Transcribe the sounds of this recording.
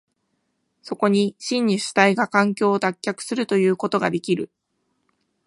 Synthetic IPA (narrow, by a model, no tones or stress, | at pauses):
so̞ko̞ɲ̟iɕĩɲ̟ːiɕɨ̥t̪aiɡakãŋkʲo̞ːt̪akʲːakɯ̥sɨɾɯ̟t̪o̞jɯ̟ːko̞t̪o̞ɡad̪e̞kʲiɾɯ̟